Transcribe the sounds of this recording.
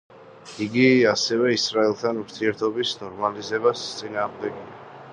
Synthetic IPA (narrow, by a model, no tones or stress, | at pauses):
iɡiasɛvɛisɾaɛlˠt̪ʰanuɾt̪ʰiɛɾt̪ʰɔbisnɔɾmalizɛbast̪sʼinaːʁmd̪ɛɡia